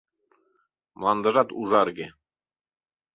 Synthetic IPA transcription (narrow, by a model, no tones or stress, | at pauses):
mlˠɑnd̪ɤ̆ʒɑt̪uʒɑɾɡe